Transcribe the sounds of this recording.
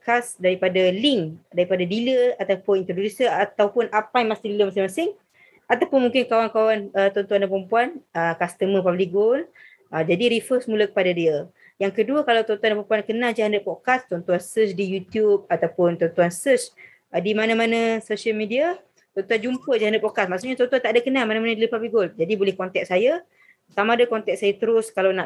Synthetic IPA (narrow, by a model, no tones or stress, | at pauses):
ɔkasdaɾipadaliŋdaɾipadadiləat̪awpʊnint̪ɾodudisəat̪awpʊnapajmasɪŋdiləmasɪŋmasɪŋ | at̪awpʊnmũŋkɪnkawaŋkawanət̪ɔnt̪uandapɾəmpuanəkast̪əmə̃pabliɡol | əd͡ʒadiɾifəsmũlakə̥padadiə | jaŋkəduəkalawt̪ɔnt̪uandapəmpuankənald͡ʒaɦandəpɔkast̪ɔnt̪uansəsdijut̪jub̚at̪awpʊnt̪ɔnt̪uansəs | dimanamanãsosiəlmidia | t̪ɔnt̪uand͡ʒumpəd͡ʒahandət̪̚pɔkasmaʔksuʔɲat̪ɔnt̪uant̪aʔdakənalmanãmanadəlipablik̚ɡold͡ʒadibolɛhkɔnt̪ɛk̚saja | samãdakɔnt̪ɛk̚sajat̪əɾʊskalawna